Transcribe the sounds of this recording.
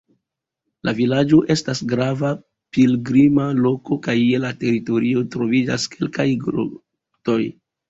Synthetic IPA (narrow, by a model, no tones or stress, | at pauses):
lavilad͡ʒo̞ʔe̞stasɡɾava | pilɡɾimalo̞ko̞kaje̞late̞ɾito̞ɾio̞tɾo̞vid͡ʒa̰skʰe̞lkajɡɾṵ | to̞j